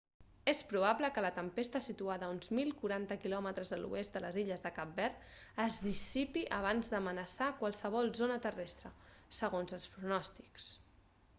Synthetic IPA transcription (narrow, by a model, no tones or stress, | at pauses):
espɾuβabləkələt̪əmpest̪əsit̪uaðəunzmilˠkuɾant̪əkilɔmət̪ɾəzðəlṵest̪d̪ələziʎəzðəkap̚bɛrəzðisipiʔəβ̞anzðəmənəsakwalˠsəβ̞ɔlˠzonət̪ərɛst̪ɾəsəɣonzəlˠspɾunɔst̪i̥ks